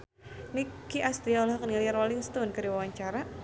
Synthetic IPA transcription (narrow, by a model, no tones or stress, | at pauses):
nikiʔast̪ɾialɦɔkniliaɾwaliŋst̪ɔnkɨɾiwawaɲt͡ʃaɾa